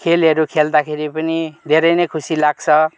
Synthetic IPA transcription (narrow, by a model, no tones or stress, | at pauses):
kʰelʌɾukʰeld̪akʰeɾipʌnid̪ʱeɾʌjnʌjkʰusilaɡt͡sʰʌ